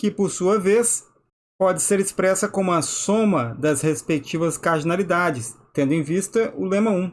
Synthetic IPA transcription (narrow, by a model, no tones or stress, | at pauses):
kɪpoɾsuɐves | pɔd͡ʒɪseɾɪspɾɛsɐkõmʊɐsõmɐd̪ɐshespek̚t͡ʃivɐskaɾd͡ʒinalid̪ad͡ʒɪst̪ẽnd̪ʊẽvist̪ɐʔʊlẽmɐũ